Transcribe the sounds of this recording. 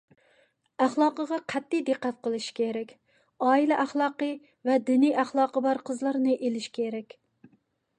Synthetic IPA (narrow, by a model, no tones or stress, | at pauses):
æχlˠɑːqəʁɑqʰæt̪ʰːɪjd̪eqːæt̪̚qəlˠɨʃi̥kʲʰeɾɛkʲ | ɑːilɛʔæχlˠɑːqə | vɛd̪ɪnijæχlˠɑːqəbɑɾqʰəzlˠɑɾnɨʔelɪʃkʲʰeɾɛkʲ